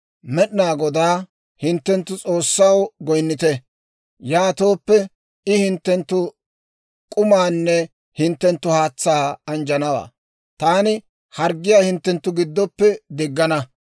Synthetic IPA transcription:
mɛɗnaːɡɔd̪aː | hɪnt̪ːɛnt̪ːʊt͡sʼo̞ːsːɐwɡɔjnːɪt̪ɛ | jaːt̪o̞ːpːɛ | ɪhɪnt̪ːɛnt̪ːʊ | kʼʊmaːnːɛ | hɪnt̪ːɛnt̪ːʊhaːt͡sːaːɐnd͡ʒɐnɐwa̰ː | t̪aːnɪ | hɐɾɡːɪjaːhɪnt̪ːɛnt̪ːʊɡɪd̪ːɔpːɛd̪ɪɡːɐnɐ

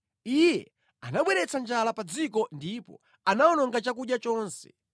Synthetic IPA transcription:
ijjɛ | anaɓwɛɾɛt͡sand͡ʒalapad͡zikɔndipɔ̰ | anaɔnɔŋɡat͡ʃak̬uɗjat͡ʃɔːnsɛ̰̥

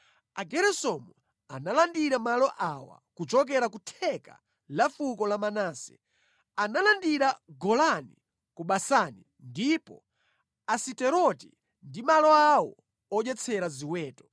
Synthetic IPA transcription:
aɡɛɾɛsɔmu | analandiɾamalɔʔawa̰kut͡ʃɔk̬ɛɾakutʰɛka̰ | lafukɔlamanaːsɛ̥ | analandiɾaɡɔlanḭ | kuɓasani | ndipɔ̰ | asitɛɾɔti | ndimalɔawɔ | ɔd͡ʒɛt͡sʰɛɾaziwɛːtɔ̥

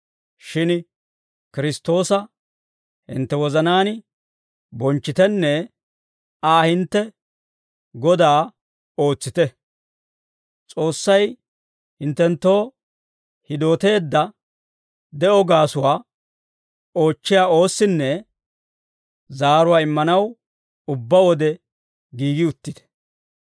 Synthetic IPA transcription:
ʃɪn | kɪɾɪst̪ːo̞ːsɐ | hɪ̰nt̪ːɛwɔzɐnaːn | bɔnt͡ʃːɪt̪ɛnːɛ | aːhɪnt̪ːɛ | ɡɔd̪aː | o̞ːt͡sːɪt̪ɛ | t͡sʼo̞ːsːɐj | hɪnt̪ːɛnt̪ːo̞ː | hɪd̪o̞ːt̪e̞ːd̪ːɐ | d̪ɛʔɔɡaːsʊwaː | o̞ːt͡ʃːɪjaːo̞ːsːɪnːɛ | zaːɾʊwaːɪmːɐnɐw | ʊbːawɔd̪ɛ | ɡiːɡɪʊt̪ːɪt̪ɛ̥

